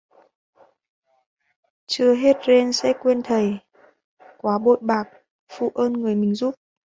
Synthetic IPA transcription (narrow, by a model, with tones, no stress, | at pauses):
t͡ɕɨ˧əɦe˦˥t̚ze˧nsɛ̰˧˥kwe˧nt̪ʰə˨˩j | kwaː˨˦ɓo̰˧˨jɓaː˨˩k̚ | fṵ˧˨ʔəː˧nŋɨ˨˩əjmï˨˩ŋ̟zu˦˥p̚